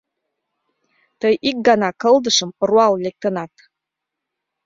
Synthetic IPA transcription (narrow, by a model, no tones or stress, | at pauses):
tʰəjʔik̚ɡanakʰəldɨʂɨmrwallʲek̚tʰonatʰʼ